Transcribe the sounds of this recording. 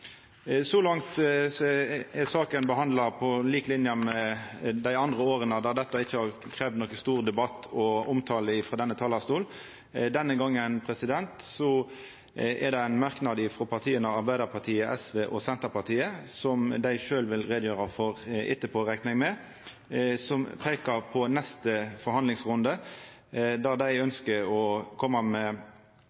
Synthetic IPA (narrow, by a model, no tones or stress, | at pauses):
sɔlɑŋt̪ | ɛsɑːkənbəhɑnd̪ləpʰɔliːklɪnjəmɛd̪æɪɑnd̪ʁəoːʁənəd̪ɑd̪ɛt̪ːɑɪçːəhɑʁkʰɾeːʋd̪nɔkːəst̪uːʁd̪ɛbɑt̪ːɔʊmt̪ʰɑːləɪfʁɑd̪ɛnːət̪ʰɑːlɑst̪uːl | d̪ɛnːəɡɑŋːənpʰʁɛsɪd̪ɛnt̪sɔ | ɛ̰ʁd̪ɛæɪnmɑʁknɑd̪ɪfʁɔpʰɑʁt̪ʰiːənɑɑʁbæɪd̪əʁpʰɑʁt̪ʰiːəʔɛsʋeːʔɔsɛnt̪əʁpɑʁt̪ʰiːəsɔmd̪æɪʃøːlʋɪlʁeːd̪jøːʁəfɔʁɪt̪ːəpʰoːʁæknəŋmɛ | sɔmpʰeːkəʁpʰɔnɛst̪əfɔɾhɑnd̪lɪŋsʁʊnd̪ə | d̪æʁd̪æɪœnskəɾɔkʰɔmːəmɛ